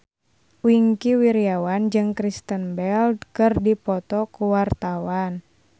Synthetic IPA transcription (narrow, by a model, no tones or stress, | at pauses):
wiŋkiwiɾiawand͡ʒɨŋkɾist̪ənbɛldkɨrdipɔt̪ɔkuwart̪awan